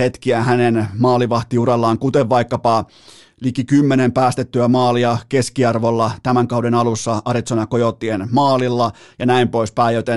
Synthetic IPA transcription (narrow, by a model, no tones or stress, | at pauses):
et̪kiæhænenmɑːliʋɑht̪iurelːɑːŋkut̪eʋʋɑikːɑpɑ | likikymːenempæːst̪et̪ːyæmɑːliɑkeskiɑrʋolːɑt̪æmæŋkɑudenɑlusːɑɑɾit̪sonɑkojot̪ːienmɑːlilːɑ | jɑnæimpoispæijot̪en